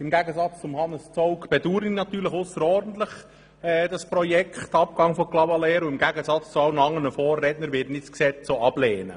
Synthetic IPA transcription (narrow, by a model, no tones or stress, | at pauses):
ɪmɡæɡəzɑt͡st͡sʊmhɑnːəst͡sɔʊkb̥ɛduːɾɪnɑt̪yːɾləχʊsːəɾɔrdn̩t̪ləχ | ɛd̥ɑspɾɔjɛkχtɑp̚kɑŋfɔklɑvɑlɛːɾʊɪmɡæɡəzɑt͡st͡suɑlnəɑŋːənəfoːrːɛtnəɾʋɪːtnɪtsksɛt͡soɑb̥leːnə̰